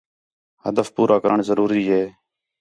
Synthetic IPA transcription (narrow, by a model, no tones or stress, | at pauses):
həd̪əfpuːɾʔaːkəɾəɳzəɾuːɾiːɦeː